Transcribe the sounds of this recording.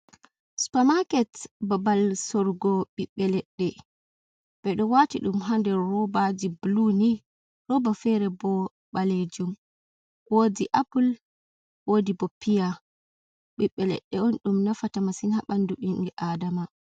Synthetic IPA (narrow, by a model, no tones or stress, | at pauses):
su̥pamakɛtbabalsɔɾɡɔɓiɓːɛlɛɗːɛ | b̥ɛɗɔwatiɗumɦandɛːɔbad͡ʒibluni | ɾɔbafɛɾɛbɔ | ɓaled͡ʒum | wodiʔapul | wodibɔpːija | ɓiɓːɛlɛ̰ɗːɛɔnɗumnafatamasinhaɓanduɗinɡɛʔadama